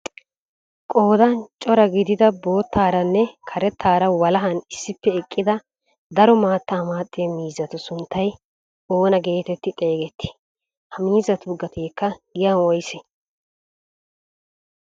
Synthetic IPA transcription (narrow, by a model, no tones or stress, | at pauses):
kʼo̞ːd̪ɐnt͡ʃʼɔɾɐɡɪd̪ɪd̪ɐbo̞ːt̪ʰːaːɾɐnːɛkʰɐɾɛt̪ʰːaːɾɐwɐlɐɦɐnɪsːɪpːɛɛkʼːɪd̪ɐ | d̪ɐɾɔmaːt̪ːaːmaːt̪ʼːɪjɐmiːzɐt̪ʊsʊnt̪ːɐj | o̞ːnɐɡe̞ːt̪ɛt̪ːɪt̪ʼe̞ːɡɛt̪ʰːɪ̥ | hɐmiːzɐt̪ʊɡɐt̪eːkːɐɡɪjɐnwɔjsɛ